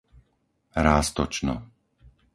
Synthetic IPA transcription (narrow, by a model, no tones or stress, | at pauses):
ɾaːst̪ɔt͡ʃnɔ̰